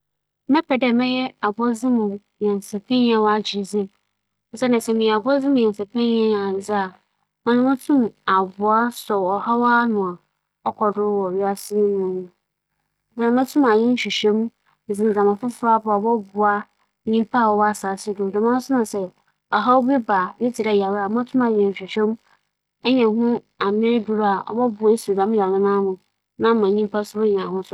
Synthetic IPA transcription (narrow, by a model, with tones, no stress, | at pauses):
mɛ̃˦pʰɛ˨dɛ˦˨mɛ̃˦jɛ˦a˨bɔ˦d͡zɪ˦mʊ̃˨ | jɛ˨n˨sɛ˨pʰe˦ɲ˦a˨wa˨d͡ʑi˨d͡zɪ˦˨˦ | sɛ˦nã˨sɛ˨mĩ˨a˨bɔ˦d͡zɪ̃˦mʊ̃˨ɛ̃˨n˨sɛ˨pʰẽ˦ɲ˦a˦ã˨n˨d͡zɪ˦a˨ | mã˦nʊ̃˦mã˦tʰũ˦ma˨bʊ˨a˦sɔ˨ɔ˨ha˦wa˦nʊ̃˨a˨ | ɔ˦kʰɔ˨dʊ˦wɔ˨ɥi˦a˦sɪ˦nɪ̃˦nũ˨˦nʊ̃˨ | dã˨nʊ̃˦mã˦tʰũ˦ma˨ɲɪ̃˦n̩˦ɕᶣi˨ɕᶣɛ̃˦m̩˦˨ | zɪ̃˨n˨d͡zã˨mã˨fʊ˦fʊ˦a˦bʊ˦a˨bɔ˦bʊ˨a˦ | ɲĩ˦m˦pʰa˦˨ɔ˨˦a˨saː˨sɪ˦dʊ˨dɪ˨mã˦sʊ˦nʊ̃˨sɛ˦ | ɔ˨ɦa˦wbɛ˦ba˨bɪ˦tʰɪ˨ɾa˦ja˨wa˨˦mã˦tʰʊ̃˦mã˨ɲɛ̃˨ɕᶣi˨ɕᶣɛ̃˦m | ɛ˦ɲɛ̃˨ɦʊ̃˦ | a˨mɪ̃˦dʊ˦ɾa˨ɔ̰˨bɔ˦bʊ˨˦e˦su˨dã˨˦m˦ja˨wɪ˦nã˦mʊ̃˨ | nã˦mã˨ɲĩ˦mpʰa˦sʊ˦bɛ˦ɲã˨hʊ̃˦sʊ˦